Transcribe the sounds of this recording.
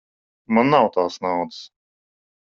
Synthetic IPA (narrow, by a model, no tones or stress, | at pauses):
manːawt̪aːsnawd̪ɨ̥s